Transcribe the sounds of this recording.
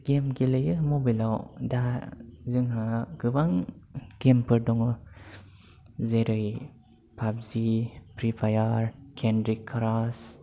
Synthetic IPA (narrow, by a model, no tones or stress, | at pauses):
ɡemɡilɯjɯmɔbilawdazɯŋɦaɡ̥ɯbaŋɡempʰɯɾdɔŋɯ | zeɾɯj | pʰabzipɾipʰajaɾkʰendɾikʰːaɾas